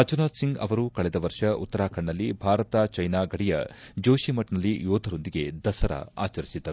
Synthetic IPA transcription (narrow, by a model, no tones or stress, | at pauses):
ɐd͡ʒunaːdsiŋɡɐ̰ʋɐɾukɐɭɛd̪ɐʋɐɾʂɐʔut̪ːɐɾaːkʰɐɳːɐlːibʱaːɾɐt̪at͡ʃɐjnaːɡɐɽijɐ̰d͡ʒoːʃimɐʈnɐlːijoːd̪ʱɐɾo̞nd̪iɡe̞d̪ɐsɐɾɐ̰a̰ːt͡ʃɐɾisid̪ːɐɾu